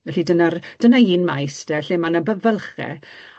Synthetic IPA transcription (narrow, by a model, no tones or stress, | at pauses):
ɛɬidənard̥ənaiːnmajsdɛɬemanəbəvəlˠχɛ̰